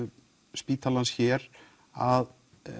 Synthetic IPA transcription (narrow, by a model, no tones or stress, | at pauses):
spiːt̪ʰalansçɛɾ | að